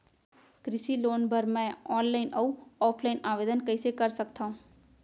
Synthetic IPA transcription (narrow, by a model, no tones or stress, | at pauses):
kɾɪsiloːnbɐɾmɛ̃ɔːnlaːɪnauɔːpʰlaːɪnaːʋeːd̪ənkɐisekɐɾsɐkt̪aũː